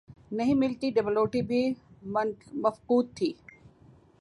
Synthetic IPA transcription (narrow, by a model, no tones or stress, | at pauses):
nɐɦĩmɪlt̪iɖebɐloːʈibi | mɐfquːd̪̚t̪ʰːiː